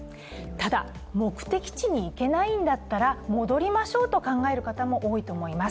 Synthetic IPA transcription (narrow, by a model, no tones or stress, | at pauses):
t̪ad̪a | mo̞kɯ̟̥t̪e̞kʲi̥t͡ɕiɲ̟iːke̞naĩnd̪at̪ːaɾamo̞d̪o̞ɾʲimaɕo̞ːt̪o̞kãŋɡae̞ɾɯ̟kat̪amo̞ʔo̞ːit̪o̞ːmo̞imas